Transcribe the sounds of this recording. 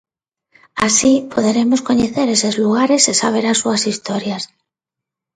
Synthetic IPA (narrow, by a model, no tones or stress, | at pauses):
asipʰoðeɾemoskoɲeθeɾesezluɣaɾesesaβ̞eɾasuasist̪oɾjas